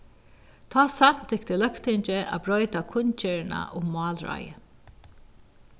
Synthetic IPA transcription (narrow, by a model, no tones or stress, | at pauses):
t̪ʰaːsan̥t̪ʰɪkt̪əlœkt̪ɪɲt͡ʃəʔa̰bɹɔʏt̪akʰʊnt͡ʃɛːɹna̰ʔʊmɑːlɹa̰jə̰